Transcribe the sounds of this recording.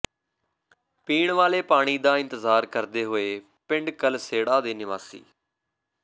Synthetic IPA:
piːɳʋaːleːpaːɽ̃iːd̪aːɪ̃nt̪əzaːɾkəɾd̪eːɦoːeː | pɪ̃ɳɖkəlseːɽaːd̪eːnɪʋaːsḭː

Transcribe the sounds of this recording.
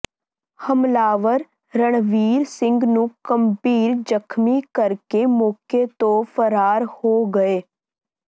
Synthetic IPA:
hɐmlaːʋəɾ | ɾəɽ̃ʋiːɾsɪ̃ŋɡnũkɐmbiːɾd͡ʒəkʰmikəɾkemoːkʰet̪ofəɾaːɾhoɡɐeː

